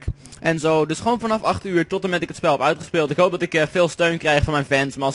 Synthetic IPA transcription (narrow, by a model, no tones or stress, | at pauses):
kʔɛnzowdɵsχəʋownfɑnɑfɑχtyːɹtɔtəmɛtɪkətspɛlˠɦɛpœɥtχə̥spɪːlˠtɪkɦowp̚dɑtɪkfɪːlˠstøɥnkrɛjχfɔnmɛjnfɛnsmaː